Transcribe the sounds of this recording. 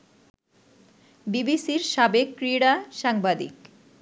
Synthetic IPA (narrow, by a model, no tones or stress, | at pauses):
bibisiɾʃabekːɾiɽaʃaŋbad̪ḭk